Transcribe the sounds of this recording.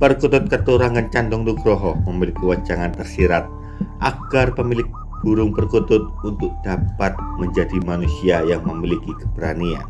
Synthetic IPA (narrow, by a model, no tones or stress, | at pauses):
pərkut̪ʊt̪̚kət̪uɾaŋant͡ʃandɔŋduɡɾɔɦɔhməmilɪkːiwat͡ʃaŋant̪ərsiɾat̪̚ | ʔaɡarpəmilɪk̚ | b̥uɾʊŋpərkut̪ʊt̪̚unt̪ʊk̚d̥apat̪̚məɲd͡ʒadimanusiajaŋməmilikikə̥bɾania̰n